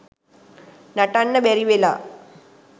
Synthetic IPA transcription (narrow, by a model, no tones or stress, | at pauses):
nɐʈːanːɐbeɾiʋela